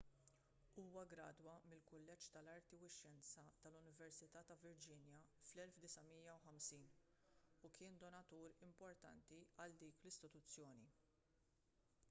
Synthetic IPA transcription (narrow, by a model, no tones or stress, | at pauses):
uːwɐɡɾɐːd̪wɐmɪlkʊlːɛt͡ʃt̪ɐlɐɾt̪iwɪʃːɛnt͡sɐt̪ɐlʊnɪvɛɾsɪt̪ɐːt̪ɐvɪɾd͡ʒɪnjɐflɛlfd̪ɪsɐmiːjɐwħɐmsiːn | ukʰɪːnd̪ɔnɐt̪uːɾɪmpɔɾt̪ɐ̰nt̪iɐld̪iːklɪst̪ɪt̪ʊt͡sːjɔːni